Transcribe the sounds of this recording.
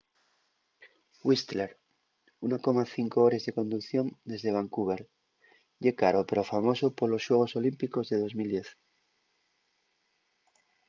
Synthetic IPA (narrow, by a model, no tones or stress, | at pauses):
wist̪leɾ | unoko̞maθiŋkooɾe̞zðe̞ko̞nd̪ukθjo̞nd̪e̞zðe̞β̞aŋkuβeɾ | ʝekaɾo̞pe̞ɾo̞famo̞so̞poɾlo̞sʝwe̞ɣ̞o̞so̞limpiko̞zðe̞ð̞o̞zmild̪je̞θ